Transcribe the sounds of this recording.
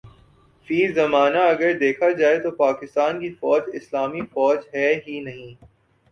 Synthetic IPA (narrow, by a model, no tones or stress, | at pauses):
fiːzɐmaːnaɐɡəɾd̪eːkʰad͡ʒaːet̪opaːkɪst̪aːnkifɔːd͡ʒɪslaːmifɔːd͡ʒɦɛɦinɐɦĩː